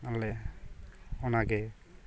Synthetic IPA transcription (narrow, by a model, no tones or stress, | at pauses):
alɛ | ɔnaɡɛ